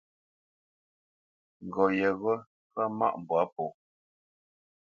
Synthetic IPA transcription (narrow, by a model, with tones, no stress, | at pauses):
ŋ˨ɡɔ˨jɛ˨ɣə˦ | pa˦ma̰˦˨ʔm˨bwa˦pɔ˨